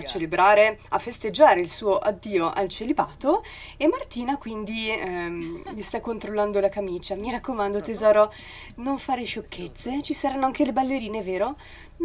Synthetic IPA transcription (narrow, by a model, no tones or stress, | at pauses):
at͡ʃːelebɾaːɾeafːest̪ed͡ʒːaːɾeilsuːoʔad̪ːiːoʔalt͡ʃelibaːt̪o | emːart̪iːnakwind̪i | mist̪akːont̪ɾolːand̪olakamiːt͡ʃamiɾakːomand̪ot̪ezaːɾo | noɱfaːɾeʃokʰːet̪sːet͡ʃisaɾanːoaŋkelebalːeɾiːneveːɾo